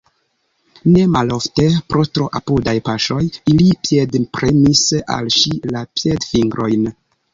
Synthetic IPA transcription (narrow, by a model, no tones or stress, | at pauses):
ne̞malo̞fte̞pɾotɾoʔapudajpaʃo̞jilipijedpɾemisa̰lʃilapjedfiŋɡɾʔo̞jn